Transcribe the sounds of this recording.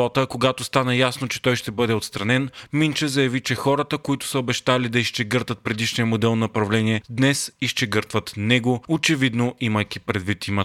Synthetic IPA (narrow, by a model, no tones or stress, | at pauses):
ɔt̪əkoɡat̪ʊst̪anəjasnot͡ʃɛ̥t̪ɔjʃt̪ɛbɤd̪ɛot̪st̪ɾɐnɛnmint͡ʃəzɐjɐvit͡ʃɛxɔɾət̪əkoit̪ʊ̥səobɛʃt̪alid̪ɐiʃt͡ʃɛɡɤɾt̪vət̪̚pɾɛd̪iʃnijəmod̪ɛlˠnɐopɾɐvlɛniɛd̪nɛsiʃt͡ʃɛɡɤɾt̪vət̪nɛɡoot͡ʃɛvid̪noʔiməjkʲipɾɛd̪vit̪imə